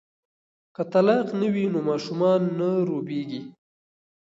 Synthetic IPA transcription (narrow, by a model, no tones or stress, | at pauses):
kət̪alɑqnəwinomɑʃumɑnːaɾobeɡi